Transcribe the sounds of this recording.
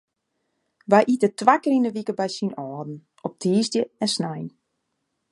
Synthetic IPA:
ʋajʔitətʋakəɾinəʋikəbɛjsinɔːdn̩ | ɔp̚tʰiːzdjəɛnsnajn

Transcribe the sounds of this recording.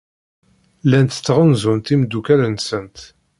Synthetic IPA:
lænt̪ə̥t͡sːʁənzunt̪imd̪ːukæɾənsənt̪

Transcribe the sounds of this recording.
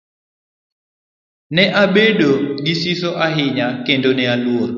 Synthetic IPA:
nɛʔabedoɡɪsisoʔaɦɪɲakendonɛaluo

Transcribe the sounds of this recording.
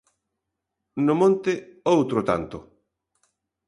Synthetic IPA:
nʊmõnt̪ɪowt̪ɾʊt̪a̰nt̪ʊ

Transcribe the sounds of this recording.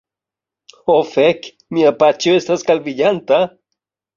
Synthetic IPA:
ofek | miapat͡ʃjoest̪askalbiʎant̪a

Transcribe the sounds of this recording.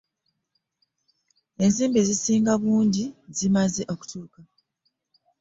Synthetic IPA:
e̞nziːmbezisiːŋɡaβuːnɟizimaze̞ʔo̞ku̥tuːka

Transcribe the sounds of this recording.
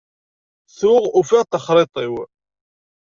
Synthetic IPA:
θʊʁufiʁt̪əχɾˤɪt̪ˤiw

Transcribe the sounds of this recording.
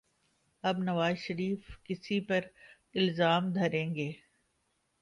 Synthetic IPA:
ɐbnɐʋaːzʃɐɾiːfkɪsipɐɾ | ɪlzaːmd̪ʱɐɾẽːŋɡeː

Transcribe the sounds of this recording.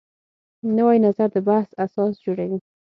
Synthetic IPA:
nawajnazaɾd̪əbahsasɑsd͡ʒoɽawi

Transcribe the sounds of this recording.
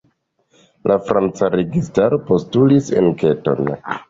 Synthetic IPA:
lʔafɾant͡saɾe̞ɡistaɾo̞po̞stulise̞̰nke̞to̞̰n

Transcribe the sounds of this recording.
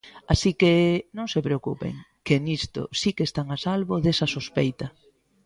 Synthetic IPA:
asikenõŋsepɾeokupḛŋ | kenist̪o̰sikest̪aŋasalβoðesɐsospejt̪ɐ

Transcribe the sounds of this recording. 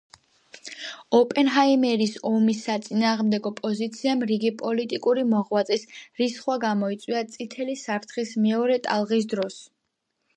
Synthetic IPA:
ɔpʼɛnɦaimɛɾisɔmisat̪sʼinaːʁmd̪ɛɡɔpʼɔzit̪sʰiamɾiɡipʼɔlit̪ʼikʼuɾimɔʁwat̪sʼisɾisχwaɡamɔit̪sʼwiat̪sʼit̪ʰɛlisapʰt̪ʰχismɛɔɾɛt̪ʼa̰lˠʁis̬d̪ɾɔs

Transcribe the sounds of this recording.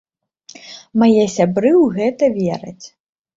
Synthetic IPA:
majɛsʲabɾɨwɣɛt̪ɐvʲeɾɐ̰t͡sʲ

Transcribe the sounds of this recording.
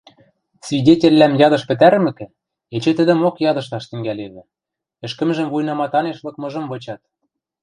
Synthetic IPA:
svʲidʲetʲĕlːæmjɑd̪ɤ̆ʃpɘ̆t̪æɾmɘ̆kɘ̆ | et͡ɕĕt̪ə̆d̪ɘ̆mokjɑd̪ɤ̆ʃt̪ɑʃt̪ɘ̆ŋɡæleβɘ̆ | ɘ̆ʃkə̆mʒə̆mvujnɑmɑt̪ɑneʃlˠɤ̆kmɤ̆ʒɤ̆mvɤ̆t͡ɕɑt̪̚

